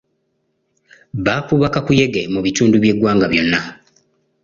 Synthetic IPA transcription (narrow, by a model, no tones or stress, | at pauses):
βaːfuβakakuje̞ɡemuβituːnduβje̞ɡwaːŋɡaβjo̞nːa